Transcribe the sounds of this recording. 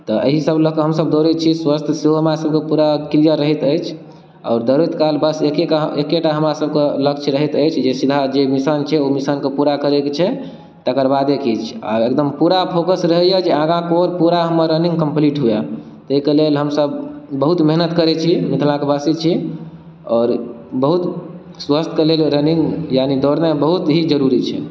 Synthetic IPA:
t̪ɔʔə̰ɦisəbləkɦəmsəbd̪oɾit͡ʃʰiswast̪ʰseɦoɦəmɾasəb̚kepuɾakilijəɾəɦit̪əjt͡ʃʰ | a̰ːɾd̪əɾuit̪kalbəsekekaɦekeʈaɦəmɾasəb̚keləkt͡ʃʰɾəɦit̪əjt͡ʃʰd͡ʒesid̪ʱad͡ʒemisant͡ʃʰɛomisankepuɾakəɾeket͡ʃʰɛ | t̪əkəɾbad̪ekʰit͡ʃʰa̰ek̚d̪əmpuɾapʰokəsɾəɦɛjɛd͡ʒeãɡãkoɾpuɾaɦəmːəɾːənĩŋɡkəmpliʈɦuɛ | t̪ikelelɦəmsəbːəɦut̪meɦnət̪kəɾɛt͡ʃʰimit̪ʰlãkebəsit͡ʃʰi | ɔːɾ | bəɦut̪ | swəst̪ʰkelelɾəniŋɡjanid̪oɽnebəɦut̪ɦid͡ʒəɾuɾit͡ʃʰɛ̰

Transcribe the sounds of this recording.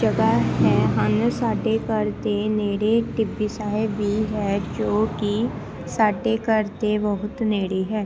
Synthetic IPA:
d͡ʒəɡaːɦɛːɦənsaːɖeːkəɾt̪eneːɽeʈiːbiːsaːebiːɦɛːd͡ʒoːki | saːɖeːkəɾt̪ebəɦʊt̪neːɽiːɦɛː

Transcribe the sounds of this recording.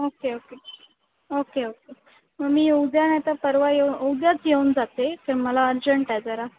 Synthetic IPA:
okeoke | okeoke | məmiːowd̪janat̪apəɾʋajeunowd̪jat͡sjeund͡zat̪et̪əɾməlaəɾd͡ʑəɳʈajd͡zəɾa

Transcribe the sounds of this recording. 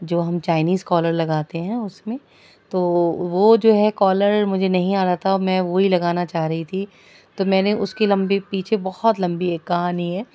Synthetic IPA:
d͡ʒoːɦɐmt͡ʃaːɪniːzkɔːləɾlɐɡaːt̪eɦɛ̃ʊsmẽ | t̪oːʋod͡ʒoːɦɛkɔːləɾmʊd͡ʒʱenɐɦĩaːɾaːt̪ʰaɔmɛ̃ʋoɦilɐɡaːnat͡ʃaːɦɾɐɦit̪ʰi | t̪omɛ̃ːneʔʊskilɐ̃mbepiːt͡ʃʰebɐhɔt̪lɐ̃mbiɦɛːkɐɦaːniɦɛː

